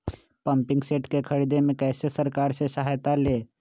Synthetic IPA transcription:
pəmpɪ̃ŋɡseːʈkekʰəɾid̪emẽkɛːsesəɾkaːɾsesəɦaːjt̪aleː

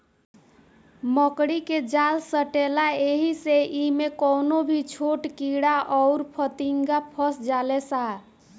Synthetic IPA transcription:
məkɽiked͡ʒalsəʈelaeɦiseʔimekɔwnobʱit͡ʃʰoʈkiɽaʔɔʊɾpʰət̪iŋɡapʰəsd͡ʒalesa

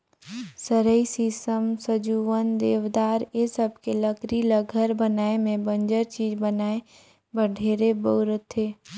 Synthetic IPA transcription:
səɾəisisəmsəd͡ʒuːʋənd̪eːʋd̪aːɾesəb̚ʱkeləɡɾiləɡʱəɾbənaːemẽbə̃nd͡ʒəɾt͡ʃiːd͡ʒbənaːe | bəɖʱeːɾebəːɾət̪ʰeː

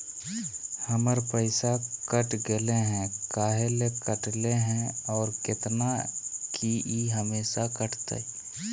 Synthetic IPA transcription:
həməɾpəɪsakəʈɡɪleɦɛ̃kaːɦelekəʈleɦɛ̃ɔːɾkɪt̪nakʰiiɦəmeːʃakəʈt̪ḛ

